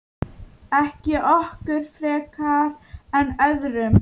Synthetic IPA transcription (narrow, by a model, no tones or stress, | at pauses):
ɛhcɪʔɔhkʏɾ̥fɾɛːkaɾɛnœðɾʏm